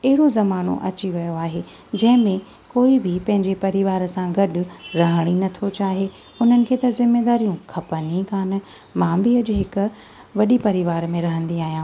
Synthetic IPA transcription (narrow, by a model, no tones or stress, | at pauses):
ɐɦɪɽozɐmaːno̰ʔɐ̰t͡ɕiʋɐjoaːɦe | d͡ʑɐ̃ɦɪ̃mẽ | koːibʱɪpɐ̃ɦɪ̃ɲd͡ʑepɐɾiʋaːɾəsãɡɐɗʊ̆ɾɐɦəɽ̃inɐt̪ʰot͡ɕaːɦe | ʊn̤ənɪ̆kʰeːt̪ɐzɪmːeːd̪aːɾijũkʰɐpənikaːn̆ | mãːbɪɐʄʊɦɪkʊ̆ | ʋɐɗipɐɾɪʋaːɾmẽɾɐɦə̃nd̪iaːɦijãː